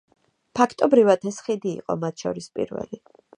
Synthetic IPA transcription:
pʰakʰt̪ʼɔbɾivad̪ʰɛsχid̪ḭːqʼɔ̰mat̪ʰʃɔɾispʼḭɾvɛ̰li

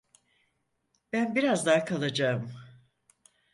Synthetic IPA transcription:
b̥ænbiɾazd̪aːkʰalˠad͡ʒaɯm

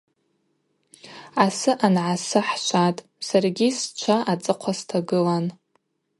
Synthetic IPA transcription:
asɨʔanʕasɨħʃʷatʼ | sarɡʲist͡ʃʷʰaʔat͡sʼɨqʷʰastʰaɡɨlan

